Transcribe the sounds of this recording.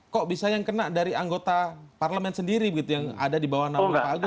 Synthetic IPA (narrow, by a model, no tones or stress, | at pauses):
kɔʔbisajaŋkənaʔdaɾiaŋɡot̪aparləmɛnsəndiɾibəɡit̪ujaŋa̰dadibawahnaaɡʊ